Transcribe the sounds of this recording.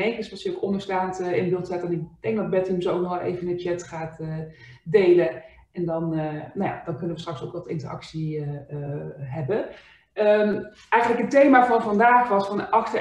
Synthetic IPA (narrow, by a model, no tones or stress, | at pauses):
ɛŋkəsɔlˠsjəowkɔndəɹstaːntəɪnbɪlˠtsatɛnɪkd̥ɛŋɡ̚dɔd̚bɛtəmsowk̚nɔxɛlˠḛjvənət͡ʃɛtχaːtədejlə | ʔɛndɔnnaja̰dɔnkɵnəʋəstrɑkso̰wkʋɔtɪ̰ntərɑ̰ksi | ɦɛbə | əm | ʔɛjχənləkɦətejmaːvɔnfɑndaːxʋɑsfɔnʔɑxtə